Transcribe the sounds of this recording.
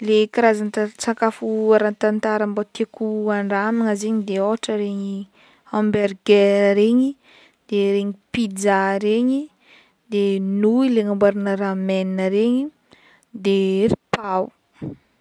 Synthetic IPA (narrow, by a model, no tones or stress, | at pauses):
lekiɾazant̪at͡saŋkafuaɾant̪ant̪aɾəmbat̪ekuaɳɖ͡ʐamiŋazeɲid̪eoʈ͡ʂəɾeɲi | ãmberɡeɾeɲi | d̪̥eɾeɲipid͡zaɾeɲi | d̪enuileŋambaɾinəɾamɛninəɾeɲi | d̪eripaw